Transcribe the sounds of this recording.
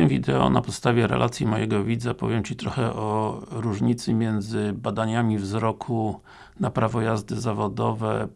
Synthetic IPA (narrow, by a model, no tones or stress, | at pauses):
ɛvʲid̪ɛɔ̰napɔt̪st̪avʲjɛɾɛ̰lʔat̪sʲjimɔjɛɡɔvʲid̪zapɔ̰vʲjɛmt͡ɕit̪ɾɔxɛʔɔɾuʐɲit̪sɘmʲjɛnd̪zɘbad̪aɲamʲivzɾɔkʰu | napɾavɔjazd̪ɘzavɔd̪ɔvɛ